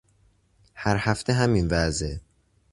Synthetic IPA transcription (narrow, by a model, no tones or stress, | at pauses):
hæɾhæft̪ʰeɦæminvæze